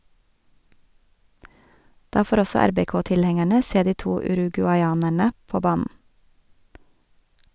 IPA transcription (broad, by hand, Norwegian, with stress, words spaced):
ˈdɑː ˈfoːɾ ˈɔsɔ ˈæɾbɛˌkoːtɪlˌhɛŋæɳə ˈseː ˈdiː ˈtuː ʉɾʉɡʉɑɪˈɑːnæɳə ˈpoː ˈbɑːnn̩